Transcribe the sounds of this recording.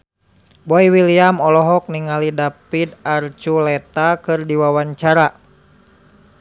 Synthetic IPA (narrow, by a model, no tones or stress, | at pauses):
bɔiwiliamɔlɔɦɔk̚niŋalidapidart͡ʃulɛt̪akɨrdiwawaɲt͡ʃaɾa